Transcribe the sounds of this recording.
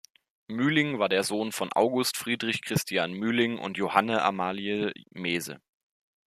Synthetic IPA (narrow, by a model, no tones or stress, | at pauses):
myːlɪŋvaːɐdeːɐzoːnfɔnʔa̰ʊɡʊstfʁ̥iːdʁɪçkʁ̥ɪstʰjaːnmyːlɪŋʔʊ̰ntjohanəʔa̰maːliəmeːzə̰